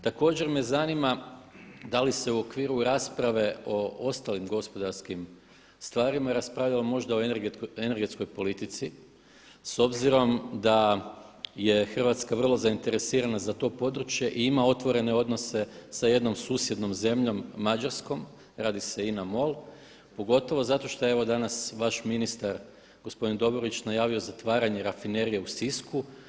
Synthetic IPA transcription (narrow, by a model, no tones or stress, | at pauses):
t̪ako̞ːd͡ʑe̞ɾmezanima | d̪alise̞uo̞kʋiːɾuɾaːspɾaʋe̞o̞o̞st̪alimɡo̞spo̞d̪aɾskim | st̪ʋaːɾimaɾaspɾaʋʎalamo̞ʒd̪ao̞ɡene̞ɾɡet̪ko̞jpo̞lit̪it̪si | so̞bziɾo̞md̪a | je̞xr̩ʋat̪skaʋr̩lˠo̞zaint̪e̞ɾe̞siːɾanazat̪o̞ːpo̞d̪ɾut͡ʃje̞ʔiimao̞t̪ʋo̞ɾe̞ne̞o̞d̪no̞se̞saje̞d̪no̞msuːsje̞d̪no̞mze̞mʎo̞mːad͡ʒaɾsko̞m | ɾaːd̪ise̞inamo̞lˠ | po̞ɡo̞t̪o̞ʋo̞zat̪o̞ʃt̪ee̞ʋo̞d̪anasʋaʃminist̪aɾ | ɡ̥o̞spo̞d̪ind̪o̞boɾit͡ʃnajaːʋio̞zat̪ʋaːɾaɲeɾafine̞ɾije̞usisku